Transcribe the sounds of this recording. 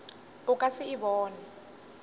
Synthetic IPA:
ukʼasiːβɔːnɛ

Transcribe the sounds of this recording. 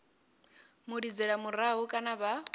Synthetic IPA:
muɺid͡zɛɺamuɾaɦukʼanaβa

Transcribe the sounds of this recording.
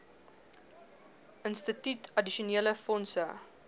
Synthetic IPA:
ənstətytʰɐdiʃuniːələfɔnsə̰

